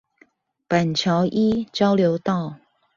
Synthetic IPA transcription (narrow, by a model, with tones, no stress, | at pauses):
pa˨˩nt͡ɕʰjɑ˧˦ʊʔi˦˥t͡ɕjɑ˦ʊljo˧˥ʊt̪ɑ˥˩˨ʊ